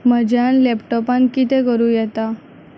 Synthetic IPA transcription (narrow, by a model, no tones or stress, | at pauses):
məd͡ʑjanlɛpʈɔpãnkit̪ẽkəɾujɛt̪a